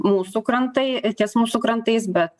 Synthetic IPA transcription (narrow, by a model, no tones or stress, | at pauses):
muːsukɾɐnt̪ɐjtʲɛsmuːsukɾɐnt̪ɨɪs̬bʲɛt̪